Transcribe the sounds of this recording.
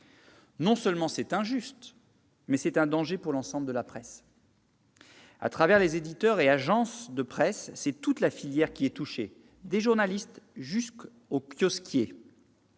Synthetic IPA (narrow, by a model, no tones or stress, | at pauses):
nɔ̃sœlmɑ̃sɛt̪ɛ̃ʒyst̪ | mɛsɛt̪ɛ̃d̪ɑ̃ʒepuʁlɑ̃sɑ̃bləd̪əlapχɛs | a̰t̪χavɛʁlezed̪it̪œʁeaʒɑ̃sd̪əpχɛsːɛt̪ut̪lafiljɛʁkʲiɛt̪uʃe | d̪eʒuʁnalist̪ʒysk | okjɔskʲje